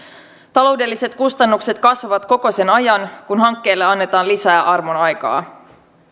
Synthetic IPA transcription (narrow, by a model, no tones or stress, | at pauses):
t̪ɑlo̞ːwde̞lːise̞t̪kust̪ɑnːukse̞t̪kɑsʋɑʋɑt̪ko̞ko̞se̞nɑjɑnkunɦɑŋkːe̞ːlːeɑnːe̞t̪ɑːnlisæːʔɑrmonɑjkɑ̰ː